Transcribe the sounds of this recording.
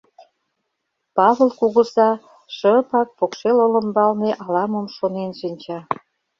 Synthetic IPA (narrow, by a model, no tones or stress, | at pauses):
pɑβə̆lkuɣə̆zɑ | ʃəpɑk̚pokʃelolə̆mbɑlneʔɑlɑməmʃonenʃinʲt͡ɕɑ